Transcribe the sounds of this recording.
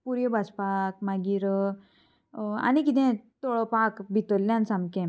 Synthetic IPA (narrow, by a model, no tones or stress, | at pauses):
puɾjəbʱaspakmaɡiɾ | a̰nikit̪ẽt̪oɭɔpakbʱit̪olːjãnsamkẽ